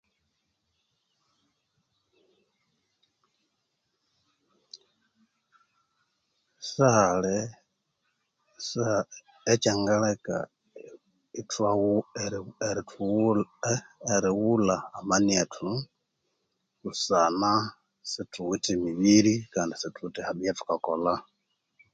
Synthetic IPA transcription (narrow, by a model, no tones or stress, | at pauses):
sale | saː | t͡ʃaŋɡaleka̰ | itwa | eɾitʰ | eɾiwulaːmanietʰu | kusana | situtimiβiɾikaːndisitutihaβjatu̥kakola